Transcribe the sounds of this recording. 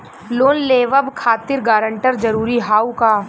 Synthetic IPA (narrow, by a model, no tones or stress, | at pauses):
loːnleːʋəbkʰaːt̪ɪɾɡaːɾə̃ɳʈəɾd͡ʒɐɾuːɾiɦaːukaː